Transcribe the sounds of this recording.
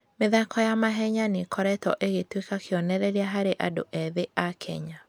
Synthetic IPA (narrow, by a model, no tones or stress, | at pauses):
meðakɔjamaɦɛɲanekʰɔɾɛtɔ̰ʔeɣetwekakeɔnɛɾɛɾeaɦaɾeʔa̰do̰ʔɛðeʔakʰɛ̰ɲa